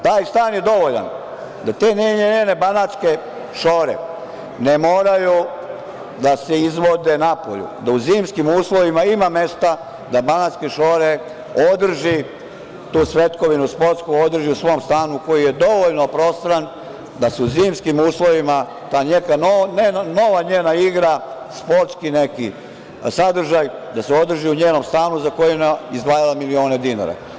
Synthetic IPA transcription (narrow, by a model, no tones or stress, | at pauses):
t̪aːjst̪aːnjed̪o̞ʋoʎa̰n | d̪at̪eːneɲeɲene̞banat̪ske̞ | ʃo̞ːɾḛ | nemoːɾaju | d̪aseizʋo̞d̪enapo̰ʎṵd̪auziːmskimuːslˠo̞ʋimaimame̞st̪a | d̪abanat̪skeʃoɾe | o̞d̪r̩ʒi | t̪uːsʋe̞t̪ko̞ʋinuspo̞ɾt̪skuod̪r̩ʒiusʋo̞mst̪aːnuko̞jije̞d̪o̞ʋoʎnopɾo̞st̪ɾan | d̪aseuziːmskimuːslˠo̞ʋima | t̪aːɲekanonenano̞ʋaɲeːnaiɡɾaspo̞ɾt̪skineki | sad̪r̩ʒajd̪aseo̞d̪r̩ʒiuɲeːnomst̪aːnuzako̞jineizd̪ʋaːjalamilio̞ːned̪ina̰ɾa̰